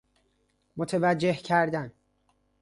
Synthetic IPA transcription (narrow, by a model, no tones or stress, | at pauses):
mot̪ʰevæd͡ʒːe̞hcʰæɾd̪æn